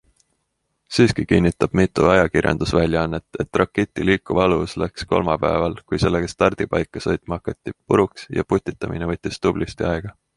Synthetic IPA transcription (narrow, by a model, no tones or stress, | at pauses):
siːskikinːit̪ːˑɑb̥̚mit̪ːˑuɑjɑkirjɑ̰nd̪usvælʲjɑɑnːet̪ːˑe̞t̪ːˑrɑkːet̪ʲːˑiliːkːˑuvɑɑluslæksko̞̰lmɑpæ̰evɑlkujse̞lːeɡ̥est̪ɑrd̪̥ipɑjkːˑɑsɤ̞jt̪ˑmɑɑkːˑɑt̪ːipuɾuksjɑ̰put̪ʲːit̪ːˑɑmḭnevɤt̪ʲːist̪ub̥list̪iɑeɡ̥ɑ